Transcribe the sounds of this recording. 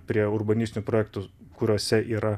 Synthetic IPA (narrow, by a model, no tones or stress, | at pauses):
pʲɾʲiɛʊɾbɐnʲɪsʲt̪ʲɪnʲʊpɾoːjɛːkt̪ʊkʊɾʲoɔsʲɛʔiːɾɐ